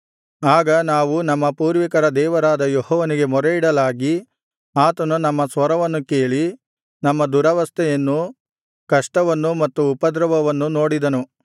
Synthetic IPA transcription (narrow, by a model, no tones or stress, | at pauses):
aːɡɐnaːʋunɐmːɐpuːɾʋikɐɾɐd̪ɛːʋɐɾaːd̪ɐjehɔːʋɐniɡe̞mɔɾeiɽɐlaːɡi | aːt̪ɐnunɐmːɐsʋɐɾɐʋɐnːuke̞ːɭi | nɐmːɐd̪uɾɐʋɐst̪ʰɛjɐnːu | kɐʂʈɐʋɐnːumɐt̪ːuːpɐd̪ɾɐʋɐʋɐnːuno̞ːɽid̪ɐnu